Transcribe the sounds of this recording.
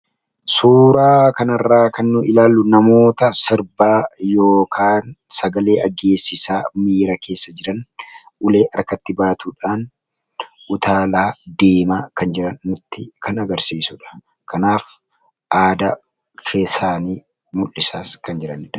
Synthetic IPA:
suːɾaːkɐnɐrːaːkɐnːʊʔɪlaːlːʊnɐmo̞ːt̪ɐsɪɾbaːjo̞ːkʰaːnsɐɡɐle̞ːʔɐɡe̞ːsːɪsaːmiːɾɐkʰe̞ːsːɐd͡ʒɪɾɐn | ʔʊle̞ːʔɐɾkːɐt̪ːɪbaːt̪uːᶑaːn | ʔʊt̪ʰaːlaːd̪eːmaːkɐnd͡ʒɪɾɐnːʊt̪ːɪkʰɐnɐɡɐɾsiːsʊᶑɐ̥ | kɐnaːf | ʔaːd̪ɐ | kʰeːsaːniː | mʊlːɪsaːskɐnd͡ʒɪɾɐnɪᶑɐ̥

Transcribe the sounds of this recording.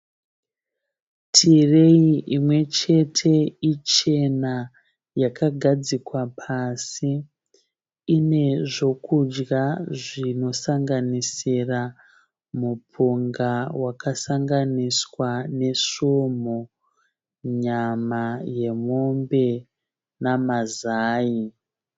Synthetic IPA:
tʰire̞iʔimwe̞t͡ʃe̞tʰe̞it͡ʃe̞na | jakʰaɡʱad͡zikwapʰasi | ne̞ʐo̞kud͡ʒɡaʐino̞saŋɡanisira | mupʰuŋɡawakasaŋɡaniswane̞ʂomo | ɲamaje̞mombe̞ | namazaːi

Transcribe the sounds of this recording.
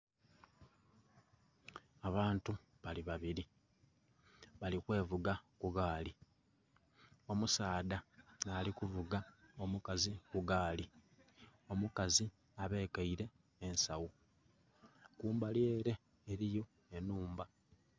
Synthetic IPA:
aβaːntu | βaliβaβiɾi | βalikwe̞ːvuɡakuɡaːli | o̞musaːdanaːlikuvuɡaomukazikuɡaːli | o̞mukazi | aβe̞ːkaiɾe̞ː | nsawu | kuːmbalje̞ːɾe̞ː | ɾijo̞ | enuːmba

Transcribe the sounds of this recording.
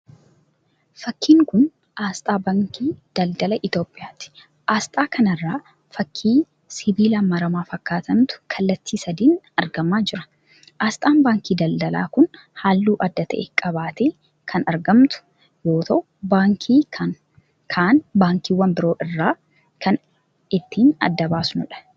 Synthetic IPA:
fɐkːiːŋkʊn | ʔaːst̪ʼaːbaːŋkiːd̪̥ɐld̪ɐlɐʔɪt̪o̞ːpʼːɪjaːt̪ɪ̥ | ʔaːst̪ʼaːkʰɐnɐrːaː | fɐkʰːiː | sɪbiːlaːmɐɾɐmaːfɐkːaːt̪ɐmt̪ʊ̥kʰɐlːɐt̪ːiːsɐd̪iːn | ɐɾɡɐmaːd͡ʒɪɾɐ̥ | ʔaːst̪ʼaːnbaːŋkiːd̪ɐld̪ɐla̰ːkʊn | haːlːuːʔɐd̪ːɐt̪ʰɐ̰ʔekʼɐbaːt̪eː | kʰɐnɐɾɡɐmt̪ʊ̥ | boːt̪ʰo | baːŋkʰiːɐ | kʰaːnbaːŋkiːwɐmbɪɾo̞ːʔɪrːaː | kʰɐn | ɪt̪ʰːiːnɐ̰d̪ːɐbaːsnʊᶑɐ̥

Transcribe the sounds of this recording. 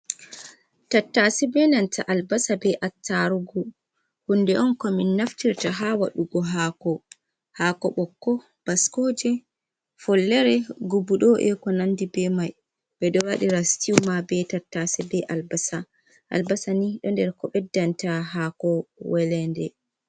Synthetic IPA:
tatːasɛbɛnantʰaʔalbasabɛʔatːaɾuɡɔ | hundɛʔɔnkɔminːaftiɾtaɦawa̰ɗuɡɔɦaːkɔ | hakɔɓɔkːɔ | b̥askod͡ʒɛ | fɔlːɛɾɛɡubuɗɔʔɛ̰kɔnandibɛmaj | bɛɗɔwaɗiɾastiwmabɛtatːasɛbɛʔalbasa | ʔa̰lbasaniɗɔndɛɾkɔɓɛdːantaɦakɔwɛlɛndɛ̰

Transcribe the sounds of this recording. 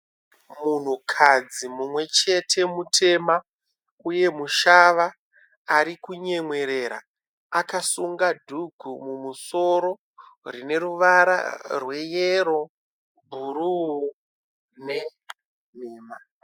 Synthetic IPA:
mun̤ukʰad͡zimumwe̞t͡ʃe̞tʰe̞mutʰe̞ma | uje̞muʃaʋaː | ɾikuɲe̞ŋwe̞ɾe̞ɾa̰ | akasuŋɡadʱuɡʱumumuso̞ɾo̞ | rine̞ɾuʋaɾa̰rwe̞jeɾo̞ | bʱuɾuu | ne̞ | meːma

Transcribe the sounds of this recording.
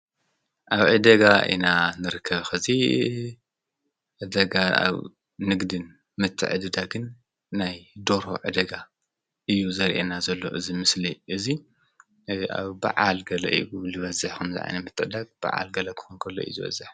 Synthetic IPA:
ʔaβʕɨd̪ɐɡaʔḭnanɨɾɨkʰːɐβxɨzi | ʕɨd̪ɐɡaa̰β | nɨɡd̪ɨn | mɨt̪ʰːɨ̰ʕɨd̪ɨd̪aɡɨnː | ajd̪o̞ɾo̞̰ʕɨd̪ɐɡa | ʔɨjːuzɐɾʔḛnazɐlːo̞̰ʔɨzimɨsliʔɨzi | a̰βba̰ʕalɡɐlɐ̰ʔḭulɨβɐzɨħkʰɐmzɨ̰ʕa̰jnɐmɨt̪ʰːɨʕɨd̪aɡ̚b̥a̰ʕa̰lɡɐlɐkʰɨ̥xunkʰɐlːo̰ḭzɨβɐ̰zɨħ

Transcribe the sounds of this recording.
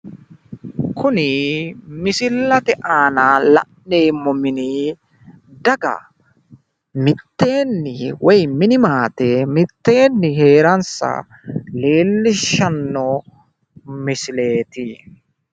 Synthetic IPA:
kʊnɪmɪsɪlːɐt̪ɛʔaːnalɐ̰ | ne̞ːmːɔmɪni | d̪ɐɡɐ̰ | mɪt̪ːe̞ːnːɪwɔjmɪnɪmaːt̪ɛmɪt̪ːe̞ːnːɪɦe̞ːɾɐnsɐ̰ | le̞ːlːɪʃːɐnːɔ | mɪsɪle̞ːt̪ɪ

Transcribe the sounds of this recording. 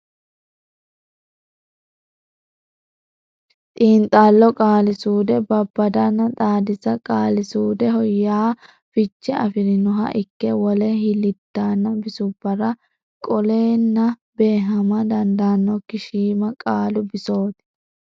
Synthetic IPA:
t̪ʼiːnt̪ʼːaːlːɔkʼaːlɪsuːd̪ɛbɐbːɐd̪ɐnːɐt̪ʼaːd̪ɪzɐkʼaːlɪsuːd̪ɛɦɔjːaː | fɪt͡ʃːɛɐfɪɾɪnʊɦɐ̰ʔɪkːɛwɔlɛhɪlɪt̪ːaːnːɐbɪsʊbːɐɾɐ | kʼɔle̞ːnːɐbe̞ːɦɐmɐd̪ɐnd̪aːnːɔkːɪʃiːmɐkʼaːlʊbɪso̞ːt̪ɪ̥

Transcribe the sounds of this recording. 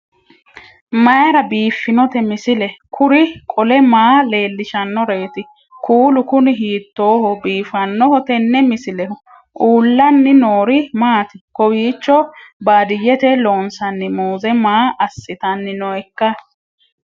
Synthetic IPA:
mɐjɾɐbiːfːɪnɔt̪ɛmɪsɪlɛkʰʊɾɪkʼɔlɛmaːle̞ːlːɪʃɐnːɔɾe̞ːt̪ɪ | kʰuːlʊkʊnɪɦiːt̪ːo̞ːhɔbiːfɐnːɔɦɔt̪ɛnːɛmɪsɪlɛhʊ | ʔuːlːɐnːɪnoːɾɪmaːt̪ɪkɔwiːt͡ʃːɔbaːd̪ɪjːɛt̪ɛloːnsɐnːɪmoːzɛmaːɐsːɪt̪ɐnːɪnɔɛkːɐ

